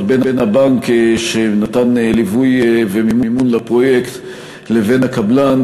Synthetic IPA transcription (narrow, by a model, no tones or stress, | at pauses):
tbenbenabaŋkʃenatanlivujvemimumunlapʁo̞jekt̪ | leve̞nhakablan